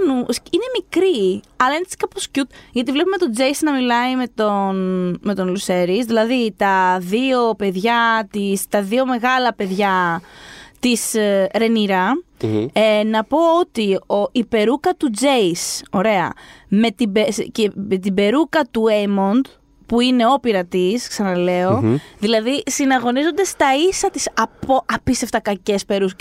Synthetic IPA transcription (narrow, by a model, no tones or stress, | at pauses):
nusine̞mikɾiɐlɐenet͡si̥kɐpo̞scut̪ʝɐt̪ivle̞pume̞t̪o̞d͡ze̞jsnɐmilɐime̞t̪onme̞t̪o̞nluse̞ɾisðilɐðit̪ɐðio̞pe̞ðʝɐt̪ist̪ɐðio̞me̞ɣɐlɐpe̞ðʝɐ | t̪isɾe̞niɾɐ | enɐpo̞ot̪ioʔipe̞ɾukɐt̪ud͡zejso̞ɾe̞ɐ̰me̞t̪ibesceet̪ibe̞ɾukɐt̪uemo̞nd̪ | puine̞o̞piɾɐt̪isksɐnɐle̞o̞ðilɐðisinɐɣo̞nizo̞nd̪e̞st̪ɐisɐt̪i̥sɐpoʔɐpist̪eft̪ɐkɐce̞spe̞ɾus